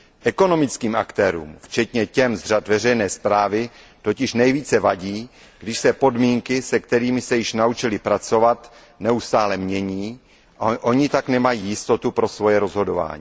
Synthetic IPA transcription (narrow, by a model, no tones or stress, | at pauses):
ʔɛko̞no̞mɪt͡skiːmʔakt̪ɛːɾṵːmft͡ʃɛt̪ɲɛcɛmzr̝at̪vɛrɛjnɛːspɾaːvɪ | t̪o̞cɪʃnɛjviːt͡sɛvaɟiː | ɡdɪʃsɛpo̞dmiːŋkɪsɛkt̪ɛɾiːmɪsɛjɪʃnaut͡ʃɪlɪpɾat͡so̞vat̪ | nɛust̪aːlɛmɲɛɲiː | ʔʔo̞ɲɪt̪aknɛmajiːjɪst̪o̞t̪upɾo̞svo̞jɛɾo̞zɦo̞do̞va̰ːɲiː